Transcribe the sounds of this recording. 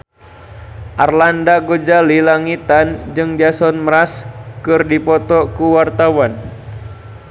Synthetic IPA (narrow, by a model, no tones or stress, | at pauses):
ʔarlandaɡod͡ʒalilaŋit̪and͡ʒɨŋdiasɔnməɾaskɨrdipɔt̪ɔkuwart̪awan